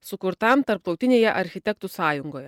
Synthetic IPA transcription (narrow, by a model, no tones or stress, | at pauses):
sʊkʊɾt̪ɐmt̪ɐɾpt̪ɒʊt̪ʲɪnʲeːjɛʔɐɾʲxʲɪt̪ʲɛkt̪ʊsɑːjʊŋɡoːjɛ